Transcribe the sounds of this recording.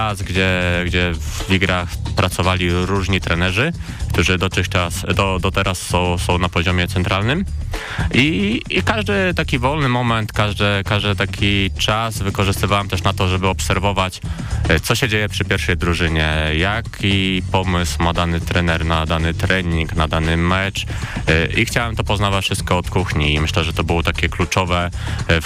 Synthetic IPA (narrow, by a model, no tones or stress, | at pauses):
asɡd͡ʑɛɡd͡ʑɛvvʲiɡɾaxpɾʔat̪sɔvalʲiɾuʐɲit̪ɾɛnɛʐɘ | kt̪uʐɘd̪ɔt̪ɘxt͡ʂasd̪ɔd̪ɔt̪ɛɾʔasːɔ̃w̃sɔ̃w̃napɔʑɔmʲjɛt̪sɛnt̪ɾalnɘm | iːkaʐd̪ɘt̪akʲivɔlnɘmɔmɛnt̪kaʐd̪ɛkaʐd̪ɘt̪akʲit͡ʂasvɘkɔʐɘst̪ɘvawamt̪ɛʂnat̪ɔʐɛbɘɔpsɛɾvɔvat͡ɕ | t̪sɔɕɛd͡ʑejɛpʂɘpʲjɛɾfʂɛjd̪ɾuʐɘɲɛjakʲʰipɔmɘswmad̪anɘt̪ɾɛnɛɾnad̪anɘt̪ɾɛɲiŋknad̪anɘmɛt͡ʂ | ixt͡ɕawɛmt̪ɔpɔznavat͡ɕfʂɘst̪̚kɔːt̪kuxɲiːmɘɕlɛʐɛt̪ɔbɘwɔt̪akʲɛklut͡ʂɔvɛ